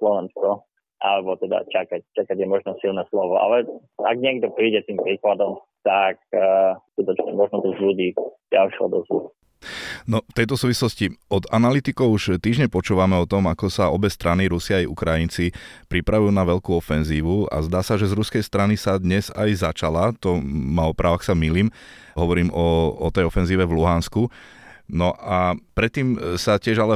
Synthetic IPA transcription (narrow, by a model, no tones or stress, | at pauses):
slɔʋɛnskɔ | ʔalɛbɔt̪ɛd̪a̰t͡ʃakac̚t͡ʃakaɟjɛmɔʒnɔsilnɛslɔʋɔa̰lɛaɡ̚ɲɪɛɡd̪ɔpɾiːɟɛt̪iːmpɾiːklad̪ɔm | t̪ak̚skut̪ɔt͡ʃɲɛmɔʒnɔt̪ɔzluɟiːɟalʃɛɦɔ̰d̪ɔzlṵ | nɔft̪ɛjt̪ɔsuːʋislɔsciɔd̪analit̪ikɔʊuʃt̪iːʒɲɛpɔt͡ʃuːʋamɛɔt̪ɔmakɔsaɔbɛst̪ɾʔaniɾusiajʔṵkɾajint͡sipɾipɾaʋujuːnaʋɛʎkuːɔfɛnziːʋua̰zd̪aːsaʒɛzɾuskɛjst̪ɾanisad̪ɲɛzajzat͡ʃalat̪ɔmaɔpɾaːʋaxsamiliːm | ɦɔʋɔɾiːmɔɔt̪ɛjɔfɛnziːʋɛvluɦansku | nɔʔapɾɛt̪ːiːmsacɪɛʒalɛ